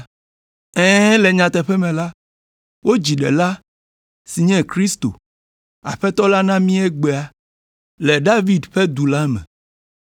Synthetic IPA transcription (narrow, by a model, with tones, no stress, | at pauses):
ɛ̃˦lɛ˨ɲã˨t̪ɛ˨ɸɛ˦mɛ̃˨la˦ | wo˦d͡ʑi˨ɖɛ̰˨la˦ | si˨ɲɛ̃˦kɾi˦st̪o̰˨ | a̰˨ɸɛ˦t̪ɔ˦la˦nã˦mĩ˦ɛ˦ɡ͡be˨a˦ | lɛ˨ɖa˦vi˦d̪ɸe˦d̪u˨la˦mɛ̰̃˨